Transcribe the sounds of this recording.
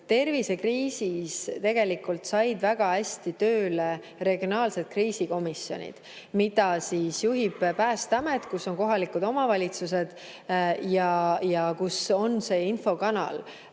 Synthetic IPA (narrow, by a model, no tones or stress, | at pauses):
t̪e̞rvise̞kriːsist̪e̞ɡ̥e̞likult̪sɑjd̪̥væɡ̥ɑæsʲt̪it̪ø̞ːle | re̞ɡ̥ijo̞nɑːlse̞d̪̥̚kriːsiko̞miso̞̰nʲḭd̪̥ | mid̪ɑsiːsjuɦib̥pæːst̪ɑme̞t̪kusːo̞ŋko̞ɦɑlikud̪o̞mɑvɑlʲit̪suse̞d̪̥ | jɑjɑkuso̞nse̞ːinfo̞kɑnɑ̰l